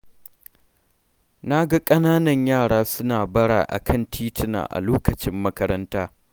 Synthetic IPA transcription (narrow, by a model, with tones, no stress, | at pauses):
na˦ɡa˦kʼɐ˦naː˦nɐ˨ɲjaː˦˨ɽaː˦sʊ˦naː˨bɐ˦ɽa̰ː˨ʔa̰˨kʰɐ˦˨ntʰiː˦tɪ˨na̰ː˨ʔa̰˨loː˦kɐ˨t͡ʃɪ˦mːɐ˦kɐ˦ɾɐ˦ntaː˦